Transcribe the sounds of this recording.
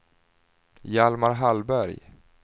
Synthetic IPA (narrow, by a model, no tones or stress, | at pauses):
jalmaɾɦalbæɾj